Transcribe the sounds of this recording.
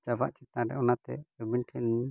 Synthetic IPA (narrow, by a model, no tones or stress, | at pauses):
d͡ʒaba̰ʔt͡ʃɛt̪ãɖɛ̰ɔnat̪ɛ̰əbinʈʰɛn